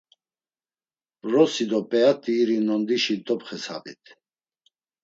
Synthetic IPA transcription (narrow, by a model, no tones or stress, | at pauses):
bɾɔsid̪ɔpʼɛat̪ʼiːɾinɔnd̪iʃid̪ɔpχɛsa̰vḭt̪ʰ